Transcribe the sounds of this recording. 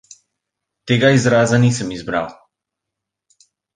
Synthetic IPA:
t̪eːɡaizɾaːzaniːsəmizbɾa̰w

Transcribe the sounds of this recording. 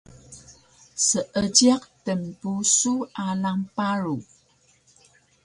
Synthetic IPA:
səʔəd͡ʒiaqtəmpusuʔalampaɾu

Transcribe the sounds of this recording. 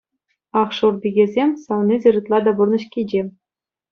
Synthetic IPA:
ɑχʂurd̪ʲiɡʲezʲemʲsɑʋnʲizʲɘ̆rʲɯt̪lˠɑd̪ɑburnɤ̆ɕkʲid͡ʑe

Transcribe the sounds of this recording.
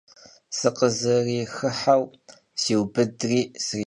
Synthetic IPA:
sɨqəzɐriːxɨħaw | siːwbɨdriːsri

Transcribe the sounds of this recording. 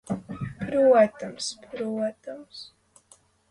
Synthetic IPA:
pɾuɔt̪amspɾuɔt̪ams

